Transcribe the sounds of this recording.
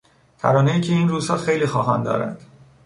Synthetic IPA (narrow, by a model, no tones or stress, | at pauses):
t̪ʰæ̰ɾɒːnejiːcʰeiːnruːz̥hɒːxejliːxɒːɦænd̪ɒ̰ːɾæ̰nd̪̥